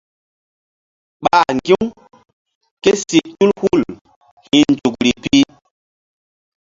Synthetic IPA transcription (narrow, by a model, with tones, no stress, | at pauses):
ɓa˦˨ŋɡi˦m | ke˦si˨tu˦lhu˦˨l | hi˨nd͡ʒu˨kɾi˨pi˦